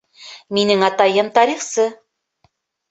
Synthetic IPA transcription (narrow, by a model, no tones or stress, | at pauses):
minɘŋɑt̪ɑjɤmt̪ɑɾiχsɤ